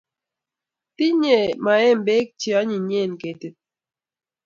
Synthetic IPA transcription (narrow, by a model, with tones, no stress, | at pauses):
ti˦ɲe˨ma˨ɛ˦mbe˦k̚t͡ʃi˨ɔ˦ɲi˨ɲe˦˨nke˨ti˨t̚